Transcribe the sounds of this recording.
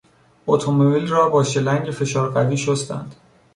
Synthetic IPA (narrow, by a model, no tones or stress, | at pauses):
ot̪ʰomobilrɒːbɒːʃe̞læŋɟefe̞ʃɒːɾɢæviːʃost̪æ̰nd̪̥